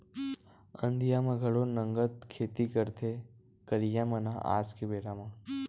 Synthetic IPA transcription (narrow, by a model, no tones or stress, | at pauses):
ə̃nd̪ʱijamãɡʱəɽonəŋɡət̪̚kʰeːt̪ikəɾt̪ʰe | kəɾijãmãna̰ʔa̰ːd͡ʒkebeːɽamã